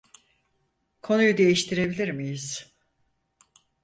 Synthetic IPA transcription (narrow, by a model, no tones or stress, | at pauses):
kʰo̞nujud̪e̞jiʃt̪ʰiɾe̞bilʲiɾmijiz̥